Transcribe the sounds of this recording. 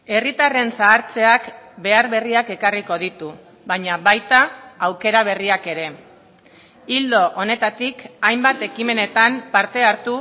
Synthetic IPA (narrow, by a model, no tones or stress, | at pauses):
e̞rit̪are̞nsaːɾt͡se̞akbe̞aɾβe̞riake̞kariko̞ð̞it̪u | βaɲaβajt̪aːwke̞ɾaβ̞e̞riake̞ɾe̞ | ild̪o̞ʔone̞t̪at̪ikajmbat̪e̞kime̞ne̞t̪ampaɾt̪e̞aɾt̪u